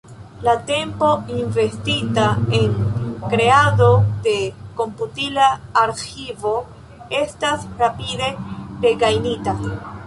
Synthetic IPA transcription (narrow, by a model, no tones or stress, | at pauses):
late̞mpo̞inve̞stitae̞nkɾe̞ado̞de̞ko̞mputilaːɾxivo̞ | e̞stasɾapide̞ɾe̞ɡajnita